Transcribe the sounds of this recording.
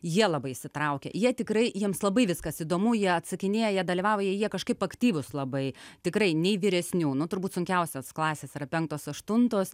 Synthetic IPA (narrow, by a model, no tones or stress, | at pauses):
jiɛlˠɐbɐɪɪsʲɪt̪ɾɐʊkʲɛ̰ːjiɛt̪ʲɪkɾɐɪjiɛmslˠɐbɐɪʋʲɪskɐsid̪oːmuːjiɛɐt̪sɐkʲɪnʲeːjɛjiɛd̪ɐlʲiʋɑːʋojiɛjiɛkɐʃkɐɪpɐkt̪ʲiːʋʊslˠɐbɐɪt̪ʲɪkɾɐɪnʲɛɪʋʲɪɾʲɛsʲnʲuːnʊt̪ʊrbuːt̪sʊŋʲkʲɛʊsʲoːsklˠɑːsʲeːsiɾɐpʲɛŋk̚t̪oːsɐʃt̪ʊnt̪oːs